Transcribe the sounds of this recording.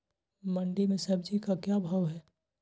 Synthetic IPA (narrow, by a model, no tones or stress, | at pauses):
məɳɖimẽsɐbd͡ʒʱikakjabʱaːʋɦɛː